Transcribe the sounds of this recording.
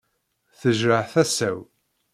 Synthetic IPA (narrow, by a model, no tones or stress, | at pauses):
θəʒɾəʕθæsæw